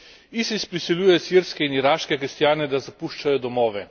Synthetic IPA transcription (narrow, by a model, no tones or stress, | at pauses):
isispɾisɛlʲjuːjɛsiɾskɛiniɾaːʃkɛkɾist̪jaːnɛd̪azapuʃt͡ʃajɔd̪ɔmɔːʋɛ